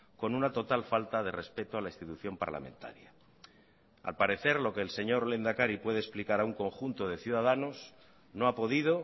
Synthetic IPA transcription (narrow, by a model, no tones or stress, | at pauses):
ko̞nunat̪o̞t̪alfalt̪að̞e̞re̞spe̞t̪oalaist̪it̪uθjo̞mpa̰ɾla̰mẽnt̪a̰ɾja | a̰lpaɾe̞θe̞ɾlo̞ke̞ːlse̞ɲo̞ɾle̞nd̪akaɾipwe̞ðesplikaɾauŋko̞ŋxunt̪o̞ð̞e̞θjuðaðano̞s | no̞apo̞ðið̞o̞